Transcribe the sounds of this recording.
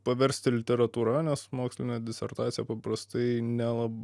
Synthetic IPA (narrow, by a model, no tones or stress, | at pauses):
pɐʋʲɛɾʲsʲt̪ʲɪlʲɪt̪ʲɛɾɐt̪uːɾɐnʲɛsmoːksʲlʲɪnʲɛd̪ʲɪsʲɛ̰rt̪ɑːt͡s̪ʲɪjɛpɐpɾɐst̪ɐɪnʲɛlˠɐb